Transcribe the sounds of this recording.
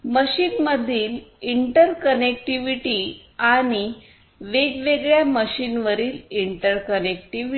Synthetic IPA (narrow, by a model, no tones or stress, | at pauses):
məɕiːnməd̪ʱiːliɳʈəɾkənek̚ʈiʋiʈiː | aɽ̃i | ʋeɡʋeɡɭjaməɕiːnʋəɾiːliɳʈəɾkənek̚ʈiʋi